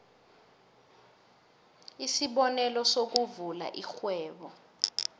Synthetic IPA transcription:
isiɓɔnɛlɔsok̬uvula̰ʔixwɛːɓɔ

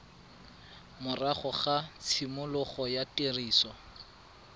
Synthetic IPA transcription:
mʊraχɔχat͡sʰimʊlʊχɔjatʼeriːsɔ

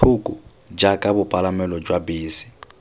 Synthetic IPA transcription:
ʊkʼʊ | d͡ʒakʼabʊpʼalamɛlɔd͡ʒwabeːsi̥

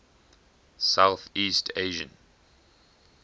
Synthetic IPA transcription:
saʊθiːstʰeɪʒə̰̃n

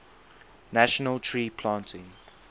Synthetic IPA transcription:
naʃənəltʰɹiːpʰlãːntʰɪ̃ŋ

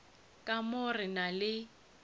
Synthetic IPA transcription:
kʼamʊrɪnalɪ

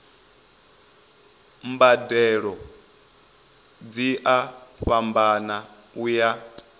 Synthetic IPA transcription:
mbadɛɺɔ | d͡ziʔaɸambana | uja

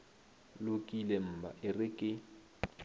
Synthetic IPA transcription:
lʊkʼilɛm̩ːbʱa̰ʔɪrɪkʼɪ

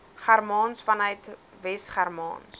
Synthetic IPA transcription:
χærmɑːnsfɐnœɥt | vɛstχærmɑ̰ːns

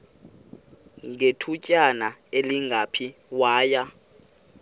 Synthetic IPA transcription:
ŋetʰucʼanaeliŋɡʱapʰiwaːja

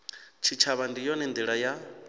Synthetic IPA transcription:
t͡ʃʰit͡ʃʰaβandijɔnɛnd̪iɺaja

